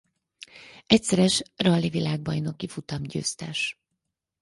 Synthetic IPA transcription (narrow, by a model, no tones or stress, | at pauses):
ɛcsɛɾɛʃrɒlːivilaːɡ̚bɒjno̞kifut̪ɒmɟø̰ːst̪ɛʃ